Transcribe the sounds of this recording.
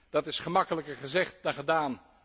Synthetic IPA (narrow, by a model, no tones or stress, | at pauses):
d̥ɑtɪsχəmɑkələkəɹχəzɛχt̚dɑχədaːn